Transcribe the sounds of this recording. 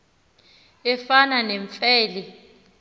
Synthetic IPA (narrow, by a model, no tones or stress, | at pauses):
ɛfananɛɱfɛːlɛ